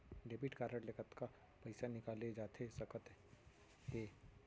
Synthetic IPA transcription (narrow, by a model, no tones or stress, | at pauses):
ɖeːbiʈkaːɾəʈlekət̪ka | pɐɪsanɪkaːled͡ʒaːt̪ʰesɐkət̪ | ɦeː